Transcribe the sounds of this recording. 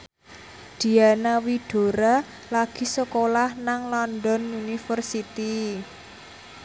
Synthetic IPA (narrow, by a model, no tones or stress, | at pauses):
d̪̥i̤anawiɖ̥o̤ɾa | laɡ̥i̤səkolahnaŋlɔnd̪ɔnjunifərsit̪i